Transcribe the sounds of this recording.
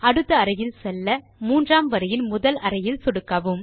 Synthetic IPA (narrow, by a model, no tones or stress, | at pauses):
ɐɽɯt̪ːɐɐɾɐjɪlsɛlːɐ | muːndraːmʋɐɾɐjɪnmʊðɐlɐɾɐjɪlsɔɽɯkːɐːʋɯm